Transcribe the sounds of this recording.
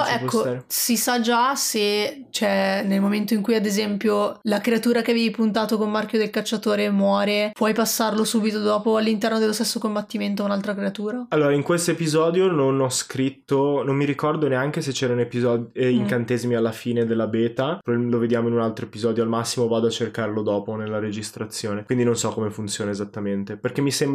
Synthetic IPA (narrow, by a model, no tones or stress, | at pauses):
ɛkːosisad͡ʒase | t͡ʃɛnelmoment̪oiŋkujad̪ezɛmpjolakɾeat̪uːɾakevjɛjpunt̪aːt̪okomːarkjod̪elkat͡ʃːat̪oːɾemwɔːɾepwɔjpasːarlosuːbit̪od̪ɔːpoalːint̪ɛrnod̪elost̪esːokombat̪ːiment̪oaunalt̪ɾakɾeat̪uːɾaalːoːɾaiŋkwest̪oepizɔːd̪jononɔskɾit̪ːonomːiɾikɔrd̪oneaŋk̟eset͡ʃːɛːɾaunepizɔd̪iŋkant̪ezimialːafiːned̪elːabeːt̪aloved̪jaːmoinunalt̪ɾoepizɔːd̪joalmasːimovaːd̪oat͡ʃːerkaɾlod̪ɔːponelːaɾed͡ʒist̪ɾat̪sːjoːnekwind̪inonsɔkːomefunt̪sjoːnaezat̪ːament̪eperkemːisemb